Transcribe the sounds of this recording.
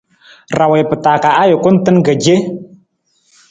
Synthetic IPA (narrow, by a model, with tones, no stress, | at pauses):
ɾa˨wɛ˨pɨ˨taː˨ka˨a˦jʊ˨kʊ˦n̩˦tɨ˦nɡə˨d͡ʒe˦